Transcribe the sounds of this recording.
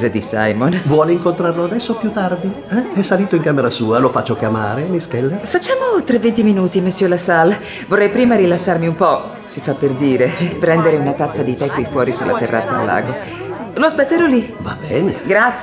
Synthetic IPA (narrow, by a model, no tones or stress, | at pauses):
zed̪isa̰jmonvwɔːleiŋkont̪ɾarload̪ɛsːopjut̪ːard̪i | ɛɛsaliːt̪oiŋkaːmeɾasuːalofat͡ʃːokjamaːɾemiskɛlːafat͡ʃːaːmot̪ɾɛvːent̪iminuːt̪imesːjølasal | vorːɛjpɾiːmaɾilasːarmiumpɔ | sifapːerd̪iːɾepɾɛnd̪eɾeunat̪at̪sːad̪it̪ɛkːojfwɔːɾisulʔa̰t̪erːa̰t̪sːa̰ːlːa̰ːɡo | loaspet̪ːeɾɔliva̰bɛːneɡɾat̪s